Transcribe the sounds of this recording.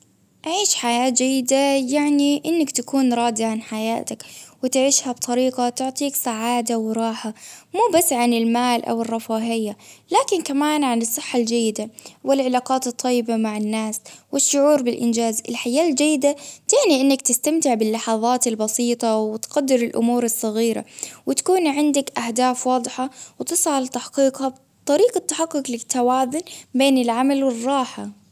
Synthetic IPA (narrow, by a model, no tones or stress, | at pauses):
ʔaʕiːʃħajaːt̪d͡ʒajːɪd̪ajaʕniʔɪnːakt̪akuːnɾˤɑːd̪iʕanħaja̰ːt̪akwɪt̪ɪʕiːʃhabt̪ˤɑɾiːqat̪ʊʕt̪ˤiːksaʕaːd̪awɾˤɑːħamuːbasːʕanɪlmaːlʔa̰wɨrˤːɑfaːɦɪjːalaːkɪnkamaːnʕanɨsˤːɨħːald͡ʒajːɪd̪awɪlʕɪlaːqɑːt̪ɨt̪ˤːɑjːɪbamaʕɪnːaːswɪʃːʊʕuːɾbɪlʔɪ̰nd͡ʒaːzɪlħajaːld͡ʒajːɪd̪at̪ɪʕniʔɪnːakt̪ɪst̪amt̪ɪʕbɪlːɑħɑðˤɑːt̪ɪlbɑsiːt̪ˤɑwɪt̪qad̪ːɪɾɪlʔʊ̰muːɾɨsˤːɑɣiːɾa̰wɪt̪ḁkuːnʕɪnd̪ɪkʔahd̪aːfwɑːd̪ˤħawt̪ɨsˤʕalɪt̪aħqiːqha | t̪ˤːɑɾiːqɑt̪ːaħaqːʊqlɪt̪ːawaːzʊnbeːnɪlʕamalwɪrˤːɑːħa